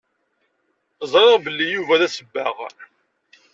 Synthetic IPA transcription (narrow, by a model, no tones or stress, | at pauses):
zˤɾˤɪʁbəlːijuvæðæsəbːæʁ